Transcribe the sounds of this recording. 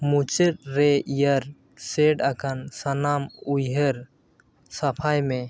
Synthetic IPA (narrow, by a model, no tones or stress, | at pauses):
mut͡ʃɛʈ̚ɾɛijaɾ | sɛɖakʰansanamujɦəɾ | sapʰajmɛ